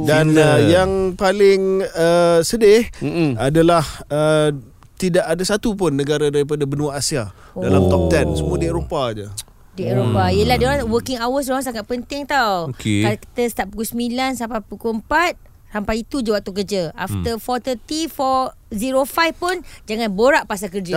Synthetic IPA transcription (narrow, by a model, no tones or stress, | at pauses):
danəjaŋpalɪŋəsədɪhadalahə | t̪idaʔadasat̪upʊnːəɡaɾadaɾip̬adabənũaasia | dalamt̪ɔp̚t̪ɛnsəmuadieɾopad͡ʒə | dieɾopaiəlahdianwəkɪŋawəs̬ɾɔ̃saŋat̪̚pənt̪ɪŋt̪awokeakə̥t̪əst̪aʔpukusəmilansampapukuəmpat̪̚ | sampait̪ud͡ʒawap̚t̪ukərd͡ʒəa̰ft̪əfɔt̪ət̪ifɔ | ziɾofajfpʊnd͡ʒaŋãnboɾaʔpasakərd͡ʒa